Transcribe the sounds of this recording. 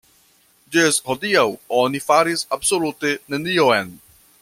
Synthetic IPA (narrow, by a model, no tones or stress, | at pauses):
d͡ʒesɦɔd̪iawɔnifaɾisabsolut̪enenijoɛn